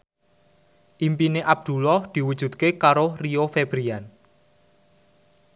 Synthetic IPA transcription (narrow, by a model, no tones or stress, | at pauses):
ʔimpineʔab̥̚d̪̥ṳlɔhd̪̥i̤wud̥ʒ̥ṳt̪̚kekaɾoriofeb̥ɾian